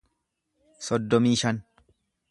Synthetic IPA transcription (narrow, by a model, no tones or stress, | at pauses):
sɔd̪ːɔmiːʃɐn